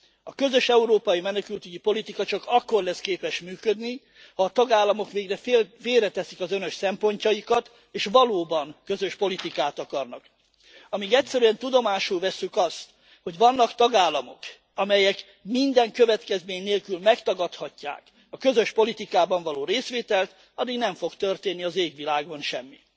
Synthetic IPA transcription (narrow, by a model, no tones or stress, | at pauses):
ɒkø̞zø̞ʃɛuɾoːpɒjimɛnɛkylt̪yɟipo̞lit̪ikɒt͡ʃɒkɒkːo̞rlɛskeːpɛʃmyːkø̞d̪ni | hɒːt̪ɒɡaːlːɒmo̞kʋeːɡrɛfeːlrɛt̪ɛsikɒzø̞nø̞ʃsɛmpo̞ɲcɒjikɒt̪ | eːʃʋɒloːbɒŋkø̞zø̞ʃpo̞lit̪ikaːt̪ɒkɒrnɒ̰k | ɒmiːɡɛcʲsɛɾyɛnt̪ud̪o̞maːʃulvɛsːykɒst̪ | ho̞ɟʋɒnːɒkt̪ɒɡaːlːɒmo̞̰k | ɒmɛjɛk | mind̪ɛŋkøvɛt̪kɛzmeːɲneːlkylmɛkt̪ɒɡɒt̪hɒcːa̰ːk | ɒkø̞zø̞ʃpo̞lit̪ikaːbɒɱvɒloːɾeːsʋeːt̪ɛlt̪ | ɒd̪ːiɡnɛɱfo̞kt̪ø̞rt̪eːnːiɒzeːɡʋilaːɡo̞nʃɛmːi